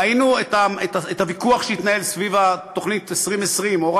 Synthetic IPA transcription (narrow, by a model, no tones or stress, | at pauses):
ainuetaetaethavikuaχʃehit̪nahe̞lsvivat̪o̞χnit̪esʁimesʁimoʁ